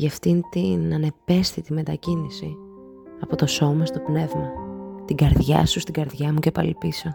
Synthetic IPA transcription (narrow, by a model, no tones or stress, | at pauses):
ʝɐft̪int̪inɐne̞pe̞sθit̪ime̞t̪ɐcinisi | ɐpo̞t̪o̞so̞mɐst̪o̞pne̞vmɐt̪iɡɐɾðʝɐ̰sust̪iɡɐɾðʝɐmucepɐ̰lipiso